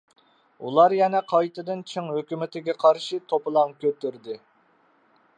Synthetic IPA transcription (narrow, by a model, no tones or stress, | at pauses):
ṵlˠɑɾjɛnɛqʰɑjt̪ʰɨd̪ɨnt͡ʃʰɨŋɦøkʲymɪt̪ʰɪɡʲɛqʰɑɾʃit̪ʰopɨlˠɑŋkʲʰøt̪yɾd̪ɪ